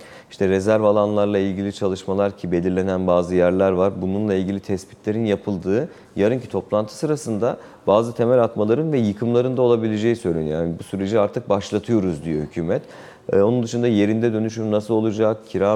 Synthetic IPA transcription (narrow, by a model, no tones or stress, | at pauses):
iʃt̪ʰɛɾe̞zæɾvalˠanlˠaɾlˠailʲɟilʲit͡ʃʰalˠɯʃmalˠaɾcʰibe̞lʲiɾlʲe̞nænbaːzɯjæɾlʲæɾvaɾbununlˠailʲɟʲilʲit̪ʰɛspi̥t̪ʰlʲe̞ɾinjapʰɯlˠd̪ɯː | jaɾɯncʰi̥t̪ʰo̞plˠant̪ʰɯ̥sɯɾasɯnd̪a | baːzɯt̪ʰe̞mɛlʲat̪malˠaɾɯnvɛjɯkʰɯmlˠaɾɯnd̪ao̞lˠabilʲe̞d͡ʒejisø̞jlʲejaːnibusyɾe̞d͡ʒiaɾt̪ʰɯk̚baʃlˠat̪ʰɯjo̞ɾuzd̪ijɛhycʰyːmɛt̪ː | o̞nund̪ɯʃund̪aje̞ɾind̪ɛd̪ø̞nyʃymnasɯlˠo̞lˠud͡ʒakcʰiɾa